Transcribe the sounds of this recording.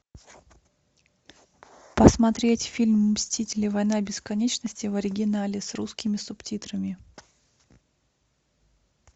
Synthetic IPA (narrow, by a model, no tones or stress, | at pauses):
pəsmɐt̪ɾʲetʲfʲilʲmmsʲtʲitʲɪlʲɪvɐjn̪abʲɪskɐnʲet͡ɕnəsʲtʲɪvəɾʲɪɡʲɪnalʲɪsruskʲɪmʲɪsʊptʲit̪ɾəmʲɪ